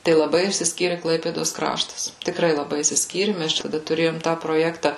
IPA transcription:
tɐɪ lˠɐˈbɐɪ ɪʃʲsʲɪsʲˈkʲiːrʲɪ ˈklˠɐɪpʲeːdoːs ˈkrɑːʃtɐs tʲɪkˈrɐɪ lˠɐˈbɐɪ ɪʃʲsʲɪsʲˈkʲiːrʲɪ ˈmʲɛs ˈt͡ʃʲɛ tɐˈdɐ tʊˈrʲeːjoːm tɑː proːˈjæːktɐ

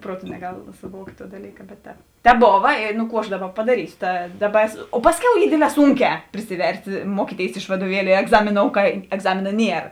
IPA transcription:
ˈpruɔˌtʊ nʲɛˈɡɐlˠ sʊˈʋuɔktʲ tuɔ dɐˈlʲiːkɐ bʲɛt ˈtʲɛːp ˈtʲɛːp ˈboːʋɐ ɪ nʊ ˈkuː ɐʃ ˈdɑːˌbɐ pɐdɐˈrʲiːsʲoː tɐ ˈdɑːˌbɐ oː ˈpɑːsʲˌkʲɛʊ ˈiː ˈdʲeːdʲˌlʲɛː ˈsʊŋʲˌkʲɛː pʲrʲɪsʲɪˈʋʲɛrʲsʲtʲ ˈmuɔkʲiːˌtʲeːɪs ɪʃ ʋɐduɔˈʋʲiɛlʲʊ ɪ ɛɡˈzɑːmʲɪˌnoːʊ kɐ ɛɡˈzɑːmʲɪnɐ ˈnʲiɛr

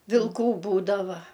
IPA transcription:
ʋʲɪlˠˈkuː ˈbuːdɐʋɐ

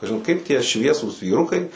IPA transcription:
kɐʒʲɪn ˈkɐɪp tʲiɛ ˈʃʲʋʲiɛsuːs ʋʲiːˈrʊkɐɪ

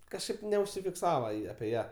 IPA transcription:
kɐʃˈkɐɪp nʲɛʊʃʲsʲɪfʲɪkˈsɑːʋɐ ɐpʲɪ ˈjæː

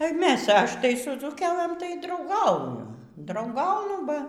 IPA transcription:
ˈmʲɛs ˈɐʃʲ ˈtɐɪ sʊ d͡zuːˈkʲæːlˠɘm tɐɪ drɐʊˈɡɐʊjʊ drɐʊˈɡɐʊnʊ ˈbɐ

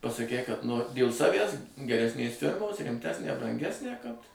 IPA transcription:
pɐsɐˈkʲɛɪ kɐt ˈnoːrʲɪ dʲeːlˠ ˈsɑːʋʲæs ɡʲɛrʲɛsʲˈnʲeːs ˈfʲɪrmoːs rʲɪmʲˈtʲæːsʲnʲæː brɐŋʲˈɡʲæːsʲnʲæː kɐt

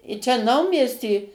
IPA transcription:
ɪ ˈt͡ʃʲɛ ˈnɐʊmʲiɛsʲtʲiː

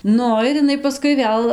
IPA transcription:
ˈnʊ ɪr ɪˈnɐɪ pɐˈskʊɪ ˈʋʲeːlˠ

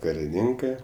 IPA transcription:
kɐrʲɪˈnʲɪŋkɜ

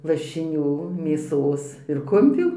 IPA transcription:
lˠɐʃʲɪˈnʲuː ˈmʲeːsoːs ɪr ˈkʊmʲpʲuː

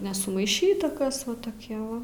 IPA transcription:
nʲɛsʊmɐɪˈʃʲiːtɐ ˈkɐs ʋɐ toːˈkʲiɛ ʋɐ

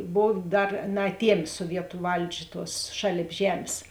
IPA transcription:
ˈboːw ˈdɐr nɐɐˈtʲiɛmʲeː suɔˈʋʲiɛtʊ ˈʋɐlʲd͡ʒʲɛ ˈtuɔs ˈʃɑːlʲeːp ˈʒʲæːmʲeːs

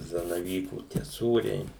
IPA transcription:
zɐnɐˈʋʲiːkuː tʲiɛ ˈsuːrʲɛɪ

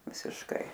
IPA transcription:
ʋʲɪsʲɪʃˈkɐɪ

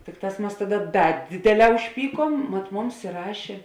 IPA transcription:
ˈtʲɪkˌtɑːs ˈmɐs ˈtɑːˌdɐ ˈdɐ ˈdʲeːdʲeːˌlʲɛː ʊʃʲˈpʲiːˌkuɔm mɐt ˈmʊms ɪˈrɑːʃʲeː

